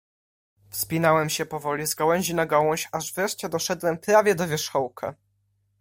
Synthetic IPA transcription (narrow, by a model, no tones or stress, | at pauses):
fspʲinawɛmɕɛpɔvɔlʲizɡawɛɲ̃ʑinaɡawɔ̃ɕaʐvɾɛʂt͡ɕɛd̪ɔʂɛd̪wɛmpɾavʲjɛd̪ɔvʲjɛʂxɔwkʰa̰